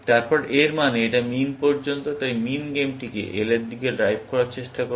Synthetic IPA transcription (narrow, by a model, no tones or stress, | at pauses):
t̪aɾpɔɾʔeɾmaneeʈaminpɔɾd͡ʑont̪ot̪ajminɡemʈikḛʔeleɾd̪ʱikeɖɾajbʱkɔɾaɾt͡ɕeʃʈako